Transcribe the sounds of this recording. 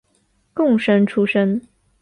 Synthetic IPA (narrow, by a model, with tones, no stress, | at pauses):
kʊ˥˩ŋʂə˥ŋʈ͡ʂʰu˥ʂə˥ŋ